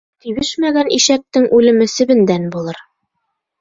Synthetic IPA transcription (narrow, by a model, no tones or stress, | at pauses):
t̪iβɘʃmæɡænʔiʃæk̚t̪ɘŋʔʉlɘ̆mɘsɘ̆βɘ̆nd̪ænbulˠɤɾ